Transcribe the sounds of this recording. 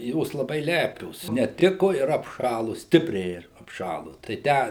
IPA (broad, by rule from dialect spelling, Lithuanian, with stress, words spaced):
ˈjoːs lˠɐˈbɐɪ ˈlʲæːpʲoːs nʲɛˈtʲɪkʊ ɪr ɐpˈʃɑːlˠʊ ˈsʲtʲɪpʲrʲɛɪ ɪr ɐpˈʃɑːlˠʊ tɐɪ ˈtʲæː